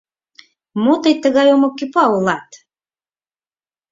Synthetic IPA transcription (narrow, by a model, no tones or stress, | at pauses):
mot̪ejt̪ːəɣɑjomokypɑulɑt̪